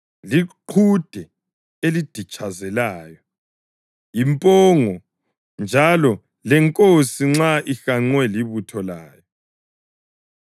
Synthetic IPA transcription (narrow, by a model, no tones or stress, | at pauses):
liǃʰud̥ʱɛ | elid̥ʱit͡ʃʼazɛlaːjɔ | impʼɔŋɔ | nd͡ʒʱalɔ | lɛŋkʼosiŋ͡ǁaʔixaŋ͡ǀwɛliβutʰɔlaːjɔ